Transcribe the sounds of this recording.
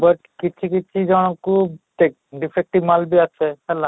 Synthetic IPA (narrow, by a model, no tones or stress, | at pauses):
bəʈkit͡ʃʰik̬it͡ʃʰid͡ʒɔɽ̃ɔkuʈek̚ | ɖipʰek̚ʈimalbiasɛhɛla